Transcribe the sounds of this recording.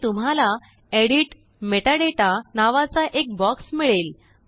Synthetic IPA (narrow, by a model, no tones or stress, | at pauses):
t̪um̤ala | eɽiʈ | meʈaɽeʈanaʋat͡saʔek̚bɔksmiɭel